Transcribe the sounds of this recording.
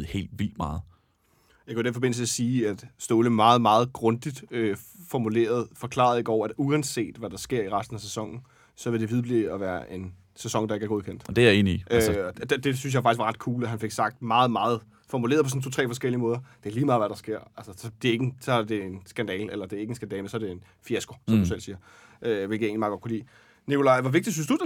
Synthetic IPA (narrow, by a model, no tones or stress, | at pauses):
he̝̰ːld̥ʋil̰d̥mɑ̈ːð̩ˠ | jɑkʰid̥enfɒbe̝n̰l̩səeɐsiːæd̥sd̥ɔːləmɑ̈ːð̩ˠmɑ̈ːð̩ˠɡ̥ʁɔ̽nd̥id̥øfɒmule̝̰ːɐð̞̩ˠfɒ̽kʰlɑ̰̈ðˠe̝ɡ̥ɒʊ̰ɐæd̥uænse̝̰ːd̥ʋæd̥ɑ̈sɡ̥e̝ɐ̰iʁasd̥n̩æsesɒ̽ŋ̰n̩ | sɒ̽ʋe̝ld̥e̝ʋið̞ˠb̥liɒʋæːɐʔe̝n | sesɒ̽ŋd̥ɑe̝ɡ̥æɐɡo̝ð̞ˠkʰen̰d̥d̥ee̝̰ːniʔøɒd̥d̥e̝s̬yns̬jɑfɑ̈ɡ̥isɡʋɑʁɑ̈d̥kʰuːləæɦænfe̝ɡ̥sɑ̈ɡ̥̚d̥mɑ̈ːð̩ˠmɑ̈ːð̞̩ˠ | fɒmulḛːɐpʰɒs̬ɔ̽n̩t͡sʰot͡sʰʁɛ̰ːfɒ̽sɡ̥el̰iəmɔ̽ːðˠɐd̥e̝æɐliːmɑ̈ːðˠʋæɾ̥ɑ̈sɡ̥e̝ɐ̰ʔælsəsɒd̥e̝e̝ɡ̥sɒ̽æɐd̥e̝ensɡ̥ænd̥ɛ̰ːlelɐd̥e̝ɐeɡ̥ensɡ̥ændɛːlmensɒɐd̥e̝en | fiæsɡ̥o̝sɒmdusel̰siːɐ | ʔøʋelɡ̥əæe̝̰nlimɑːɡɒ̥̽kʰulḭː | nikʰo̝lɑ̈ɪʋɒʋe̝ɡ̚d̥isynsd̥u̥